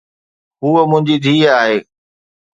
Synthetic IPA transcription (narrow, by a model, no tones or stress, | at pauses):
ɦuːəmʊ̃ɦɪ̃ɲd͡ʑid̪ʱiːaːɦeː